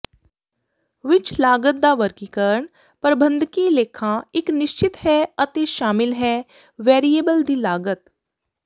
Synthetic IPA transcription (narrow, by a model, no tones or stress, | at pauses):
ʋɪt͡ʃʰlaːɡət̪̚d̪aʋəɾkiːkəɾəɳ | pɾəbə̃nd̪ʱkileːkʰãɪknɪʃt͡ʃɪt̪hɛɐt̪eʃaːmɪlɦɛː | ʋeːɾieːbəld̪iːlaːɡət̪